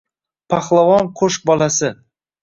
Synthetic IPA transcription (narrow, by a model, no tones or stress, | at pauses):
pʰaχlˠavɒnqʰoʃk̚bɒlasɪ